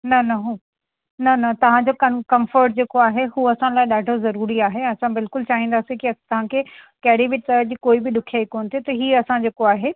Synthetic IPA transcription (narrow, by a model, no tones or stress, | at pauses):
nɐnɐɦuː | nɐnɐt̪ɐʋ̤ãd͡ʑoːkɐkɐmfəɾʈ̚d͡ʑeːkoaːɦeɦuːɐsãlaːɪɗaːɖʱozɐɾuːɾiaːɦeɐsãbɪlkʊlt͡ɕaːɦĩːnd̪aːsĩkiɐt̪ɐʋ̤ãkʰeːkɐɦɪɽiʋɪʈɐəd͡ʑiːkoːibɪɗʊkʰijaːikoːnɪt̪ʰit̪ɐɦiːɐsãd͡ʑeːkoaːɦeː